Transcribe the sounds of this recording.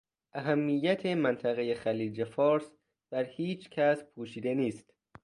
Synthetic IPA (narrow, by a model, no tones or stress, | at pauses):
ʔæɦæmːijːæt̪ʰe̞mænt̪ʰæɣejexæliːd͡ʒefɒːɾs | b̥æɾhiːt͡ʃcʰæspʰuːʃiːd̪eniːst̪